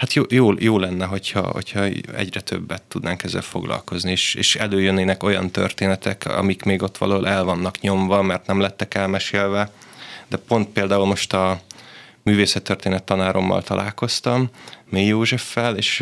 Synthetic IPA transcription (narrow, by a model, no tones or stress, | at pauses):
hat̪joːjoːjoːlɛnːɛɦo̞chɒ̰ho̰chɒɛ̰ɟrɛt̪ʰø̰bːɛt̪ːud̪naːŋkɛzːɛ̰lfo̞̰ɡlɒ̰lko̞znieːʃḛːʃɛløːjønːeːnɛko̞jɒ̰nt̪ø̰rt̪eːnɛt̪ɛkɒ̰mikmeːɡo̞t̪ːʋɒ̰lɒɦolʔɛlvɒnːɒkɲo̞ɱvɒmɛrt̪nɛmlɛt̪ːɛkɛlmɛʃeːlvɛd̪ɛpo̞nt̪̚peːld̪aːulmo̞ʃt̪ɒ | myːveːsɛt̪ːørt̪eːnɛt̪ːɒnaːɾʔo̞mːɒ̰lt̪ɒlʔaːlko̞st̪ɒmːeːjoːʒɛfːɛleːʃ